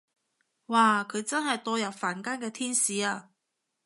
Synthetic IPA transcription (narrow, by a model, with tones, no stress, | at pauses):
waː˨kʰɵ˨˧ɥt͡sɐ˥nɦɐ˨jt̪ɔː˧jɐ˨˩nfaː˨˩nkaː˥nkɛː˧t̪ʰiː˥nsiː˨˧aː˧